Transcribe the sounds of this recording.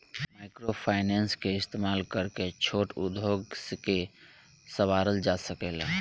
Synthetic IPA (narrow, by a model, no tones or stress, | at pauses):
maɪkɾopʰaɪnenskeɪst̪emaːlkəɾket͡ʃʰoːʈṵd̪oɡske | səʋaɾəld͡ʒasəkel